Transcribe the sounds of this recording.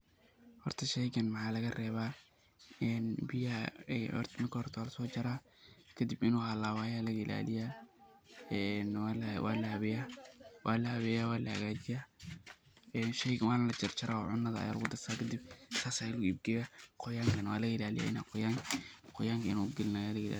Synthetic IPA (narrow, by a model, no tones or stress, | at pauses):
hɔrt̪ʰɐʃɛjkɐnmɑħɑːlɐɣɐrɛːβaː | ɛnbɪjaɛɔ̰rt̪mɐrkʰɐhɔrt̪ʰɐwaːlɐsɔːt͡ʃɐɾaː | kʰɐd̪ɪbɪnuːhɐlaːwaːjaːlɐɣɐɪ̰la̰ːlɪjaː | ɛnwlwa̰ːlɐhɐβɛjaːwaːlɐhɐβɛːjaːwaːlɐhɐ̰ɣaːt͡ʃɪjaː | ɛːnʃɛjkɐwaːnlɐt͡ʃɐrt͡ʃɐɾʔaːɔ̰ːʕʊnːɐðɐɐ̰ja̰ːlʊɣʊd̪ɐrt̪ʰaːkʰɐd̪ɪb̚saːsaːɪlɣʊib̚ɡɛjaːqɔjaːŋkʰɐnɐwaːlɐɣɐɪlaːlɪ̰ja̰ːɪna̰ːqʊjaːŋkʰqɔjaːŋkʰɐɪnuɡɪlɪnajaːlɐɣla̰ː